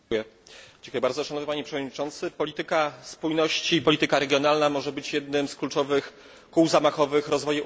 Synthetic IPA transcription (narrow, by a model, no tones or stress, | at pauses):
jɛd͡ʑ̥ŋkujɛbaɾd̪ɔʂanɔvnɘpaɲepʂɛvɔd̪ɲit͡ʂɔnt̪sɘpɔlʲit̪ɘkaspujnɔɕt͡ɕiːpɔlʲit̪ɘkaɾɛɡʲjɔn̪alnamɔʐɛbɘt͡ɕjɛd̪nɘmsklut͡ʂɔvɘx | kuwzamaxɔvɘxɾɔzvɔju